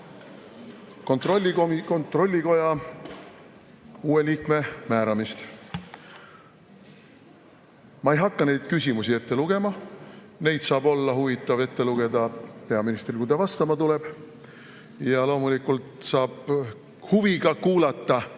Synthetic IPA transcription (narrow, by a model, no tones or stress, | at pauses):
ko̞nt̪rolʲːikomiko̞nt̪ro̞lʲːiko̞jɑ | uːe̞liːkme̞mæːɾɑmist̪ | mɑe̞jɦɑkːɑne̞jd̪̥kysʲimusie̞t̪ːe̞luɡ̥e̞mɑ | ne̞jd̪̥sɑːbo̞lːɑɦuvit̪ːˑɑve̞t̪ːe̞luɡ̥e̞d̪ɑpe̞ɑminist̪rikud̪ɑvɑst̪ɑmɑt̪ule̞b̥ | jɑlo̞ːmulikult̪sɑːb̥ | huviɡɑkuːlɑt̪ːˑɑ